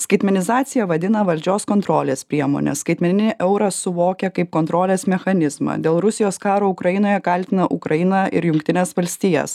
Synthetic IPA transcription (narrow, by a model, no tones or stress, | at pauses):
skɐɪt̪ʲmʲɛnʲɪzɑːt̪sʲɪjɛʋɐd̪ʲɪnɐʋɐlʲd͡ʒʲoːskɔnt̪ɾoːlʲeːspʲɾʲiɛmo̰ːnʲɛ̰skɐɪt̪ʲmʲɛnʲɪnʲɪʔɛʊɾɐsʊʋoːkʲɛkɐɪp̚koːnt̪ɾoːlʲeːsmʲɛxɐnʲɪzmɐ̰d̪ʲeːlˠɾʊsʲɪjoːskɑːɾoːʊkɾɐjɪnoːjɛkɐlʲt̪ʲɪnɐʔʊ̰kɾɐjɪnɑʔɪ̰ɾjʊŋkt̪ʲɪnʲeːsʋɐlʲsʲt̪ʲiːjɛ̰s